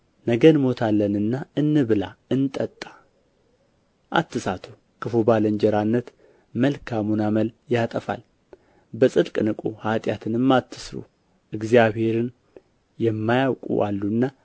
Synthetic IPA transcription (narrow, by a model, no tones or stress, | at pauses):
nəɡənmo̞t̪ʰalːənɨnːaɨnːɨβɨlaɨnt̪ʼət̪ʼːḁ | ʔa̰t̪ːɨsat̪ʰu | kʰɨfobaləɲd͡ʒɛɾanːət̪ | məlkʰamunaməljat̪ʼəfa̰l | bəsʼɨd̪kʼɨnɨkʼuhat̪ʼjat̪ʰɨnɨmːat̪ʰːɨsɾṵ | ʔɨɡzijaβhe̞ɾɨn | jɛmːajawkʼṵʔa̰lːunːa